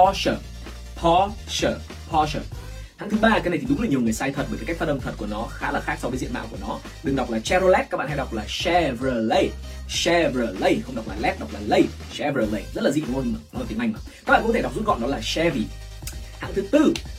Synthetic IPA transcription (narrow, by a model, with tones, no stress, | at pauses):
ɔ˧səː˧˩ | pʰɔ˧səː˧˩ | pʰɔ˧səː˧˩ | t̪ʰaː˧˥ŋt̪ɨ˨˦ɓaː˧ka˨˦jna˨˩t̪ʰi˨˩ʊ˨˦ŋ͡mlaː˨˩ɲi˨˩əŋɨ˨˩əjsaː˧jt̪ʰə˨˩t̚ɓə˧˩kːka˦˥k̚fa˧ɗʔə˧mt̪ʰə˨˩t̚ku˧˩ənɔ˨˦xaː˨˦laː˨˩xaː˦˥k̚sɔ˧vəː˨˦zḭ˧ənɓa̰ː˧˨wku˧˩nɔ˨˦ | ɗɨ˨˩ŋɗa˨˩wk͡p̚laː˨˩t͡ɕɛ˧zo˧lɛ˦˥t̚kaː˦˥ɓa̰˧˨ha˧jɗa˨˩wk͡p̚laː˨˩sɛ˧vəː˨˩lə˧˩j | sɛ˧vəː˨˩lə˧jxə˧wŋ͡mɗa˨˩wk͡p̚laː˨˩lɛ˦˥p̚ɗa˨˩k͡p̚laː˨˩lə˧˩j | sɛ˧vəː˨˩lə˧˩jzə˦˥t̚laː˨˩zḭ˧˨ko˧˨˩o˧˩t̪ï˧˨ŋʔa˧ŋ̟ə˨˩ka˦˥kɓa̰ː˧˨˧tʰe˧˩˨k͡p̚zu˦˥t̚ɣɔ̰˧˨nɔ˨˦laː˨˩sɛ˧vi˨˩ | t̪ʰa̰˧˥ŋt̪ɨ˨˦t̪ɨ˧